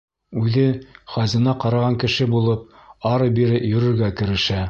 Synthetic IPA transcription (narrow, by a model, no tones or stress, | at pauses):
ʉðɘχɑzɤ̆nɑqɑɾɑʁɑŋkɘ̆ʃɘbulˠɤp̚ɑɾɤbiɾɘjɵ̆ɾɘ̆ɾɡækɘ̆ɾɘ̆ʃæ